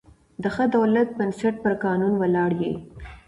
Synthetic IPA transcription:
d̪əxəd̪awlat̪̚bənsaʈ̚pəɾkɑnunwalɑɽjḛ

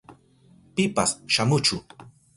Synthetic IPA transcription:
pɪpasʃamʊt͡ʃʊ

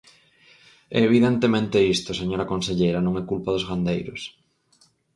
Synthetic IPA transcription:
ɛ̰eβ̞iðent̪emẽnt̪eist̪oseɲoɾakonseʎejɾɐnõŋɛkulpaðozɣand̪ejɾʊ̰s

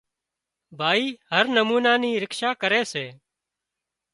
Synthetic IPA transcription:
bʱaːiːɦəɾnəmuːnaːniːɾɪkʃaːkəɾeːseː

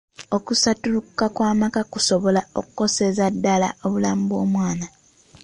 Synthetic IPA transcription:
o̞kusatulukːakwaːmakakuso̞βo̞lao̰ku̥ko̞se̞zadːala̰o̞βulaːmubo̞ːmwaːna

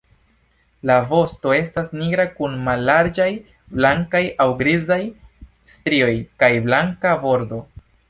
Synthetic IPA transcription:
lavo̞sto̞e̞stasniɡɾakunmalːaɾd͡ʒaj | blaŋkajʔawɡɾizaj | stɾio̞jkajblaŋkabo̞ɾdo̞

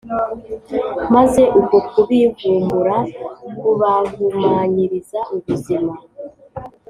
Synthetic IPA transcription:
maze̞ʔukokuβivuːmbuɾakuβaɡumaːɲiɾizaʔuβuzima

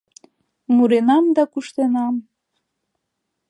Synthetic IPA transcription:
muɾenɑmd̪ɑkuʃt̪enɑm

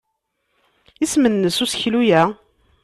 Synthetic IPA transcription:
ismənːəsusçlujæ

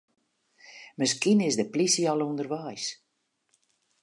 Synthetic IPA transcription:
məskinɪsdəplisiɑlˠundərʋɛjs

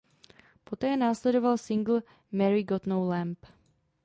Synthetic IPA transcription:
po̞t̪ɛːnaːslɛdovalsɪŋɡl̩ | mɛɾɪɡot̪nowlɛmp

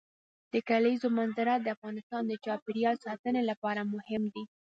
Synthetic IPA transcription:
d̪̥əkalaizomanzaɾad̪əafɣɑnɪst̪ɑnd̪ət͡ʃɑpeɾjɑlsɑt̪ənelapɑɾamʊhɪmd̪i

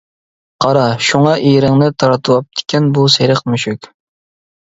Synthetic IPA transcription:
qʰɑɾɑʃuŋɑʔiɾɪŋnɪt̪ʰɑɾɑt̪ʰuwɑp̚d̪ʰɪ̥kʲʰɛnbuseɾɪqmyʃykʲ

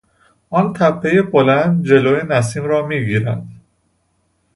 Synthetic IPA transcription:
ʔɒnt̪ʰæbːejebolænd̪̚d͡ʒe̞loːjenæs̬iːmɾɒːmiːɡiːɾænd̪̥

